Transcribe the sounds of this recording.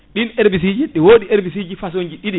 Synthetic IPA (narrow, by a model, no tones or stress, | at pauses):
ɗinʔeɾbis̬id͡ʒiɗɛwoːɗieɾbis̬id͡ʒifas̬oɲd͡ʒiɗiɗi